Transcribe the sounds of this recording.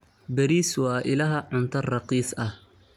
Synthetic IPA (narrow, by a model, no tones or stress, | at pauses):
bɐɾiːswɑːʔɪlɐɦɐʕʊnt̪ʰɐrrɑqiːsɐh